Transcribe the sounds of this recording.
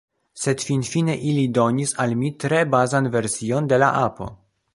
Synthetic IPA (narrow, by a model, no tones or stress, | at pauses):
se̞dfinfine̞ʔilido̞nisalmitɾe̞bazanve̞ɾsio̞nde̞la̰ʔapo̞̰